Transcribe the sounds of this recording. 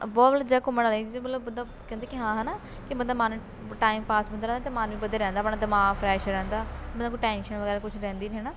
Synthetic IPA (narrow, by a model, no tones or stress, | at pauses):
bɔːt̪ləd͡ʒaːkʊməɽaleid̪ibələbbənd̪aː | kɛ̃nd̪eːkɪɦãːɦɛːnaː | kɪbənd̪aːmaːnu | ʈaːimpaːsbənɾɛ̃ːnd̪aːt̪emaːnũːiːbəd̪əɾɛ̃ːnd̪aːpɽaːd̪əmaːɡpʰɾɛːʃɾɛ̃ːnd̪aːbə̃nãːkʊʈɛ̃ːnʃənʋəɡɛːɾaːkʊt͡ʃʰɾɛ̃ːnd̪iːnɦɛːnaː